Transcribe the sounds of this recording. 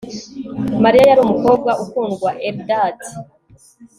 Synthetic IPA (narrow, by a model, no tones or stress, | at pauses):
maɾijajaɾuːmuko̞ːb̚ɡaʔukuːnɡwaʔebdaːti̥